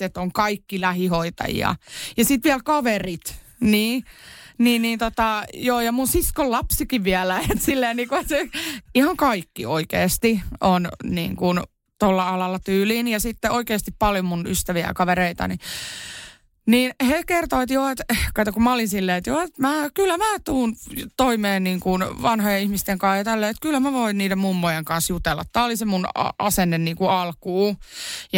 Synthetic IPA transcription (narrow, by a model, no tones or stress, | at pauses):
et̪oŋkɑikːilæhihoit̪ɑ̰jḭɑ̰jɑsit̪ʋiælkɑʋerit̪ | niːniːnnːiːnt̪ot̪ɑjoːjɑmunsiskollɑpsikiʋʋiælæet̪silːeːniːkuseihɑŋkɑikːḭoikḛːst̪ionnḭːŋkun | t̪olːɑɑlɑlːˑɑt̪yːliːnjɑsit̪ːeʔoikeːst̪ippɑljomunyst̪æʋiæ̰kɑʋeɾeit̪ɑ̰ni | niːnhekert̪oit̪joet̪kɑt̪okumæolinsilːeːet̪joet̪mæːkylːæmæːt̪uːnt̪oimeːnniːŋkunʋɑnhojeihmist̪eŋkɑːjɑt̪ælːeːet̪kylːæmæʋoinniːdemmumːojeŋkɑnsjut̪elːɑ̰t̪ːæːolisemunɑ̰ɑ̰senːenniːŋkuɑlkuːj